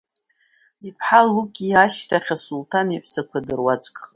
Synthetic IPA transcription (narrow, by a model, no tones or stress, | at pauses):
ipʰħalːukʲʼiaʃtʰaχʲasultʰaniħʷsakʷʰadɨrwat͡sʼkʼχ